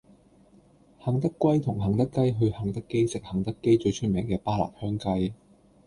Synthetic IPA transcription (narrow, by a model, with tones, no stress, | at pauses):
hɐ˨˩ŋt̪ɐ˥kːʷɐ˥jt̪ʰʊ˨˩ŋɦɐ˨˩ŋt̪ɐ˥kːɐ˥jɦɵ˧ɥhɐ˨˩ŋt̪ɐ˥kːe˥jsɪ˨k̚hɐ˨˩ŋt̪ɐ˥kːe˥jt͡ʃɵ˧ɥt͡ʃʰɵ˥t̚mɛː˨˩ŋkɛː˧paː˥la̰ː˨˩t̚hœː˥ŋkɐ˥j